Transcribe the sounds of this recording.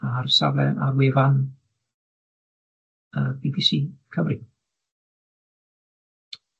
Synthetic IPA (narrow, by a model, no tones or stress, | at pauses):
arsa̰vlɛʔarwevan | əbiɡɪsikʰəvri